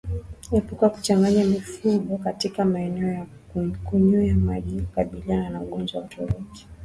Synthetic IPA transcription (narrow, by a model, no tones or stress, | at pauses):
ipukuwaku̥t͡ʃaŋɡaɲamifuɡɔkatikamaɛnɛɔja | kuɲuamaʄikukaɓiliananauɠɔnd͡ʒwawatɔɾɔki̥